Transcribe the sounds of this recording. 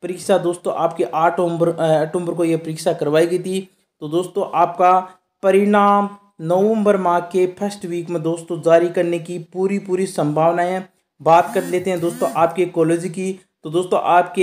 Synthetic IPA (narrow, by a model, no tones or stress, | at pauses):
pɐɾiːksad̪oːst̪õ̰ʔaːpkeʔaːʈʰəmbəɾʈʰʊ̃mbəɾkojepɐɾiːksakɐɾʋaːiɡeːt̪ʰi | t̪od̪oːst̪õʔaːp̚ka | pɐɾɪɳaːm | nəʋə̃mbəɾmãːkepʰɐsʈʋiːkmẽd̪oːst̪õd͡ʒaːɾikɐɾnekipuːɾipuːɾisɐ̃mbʱaːʋnaɦɛ̃ː | baːt̪kɐɾt̪leːt̪eɦɛ̃d̪oːst̪õʔaːp̚kekɔːleːd͡ʒiki | t̪od̪oːst̪õ̰ʔaːpke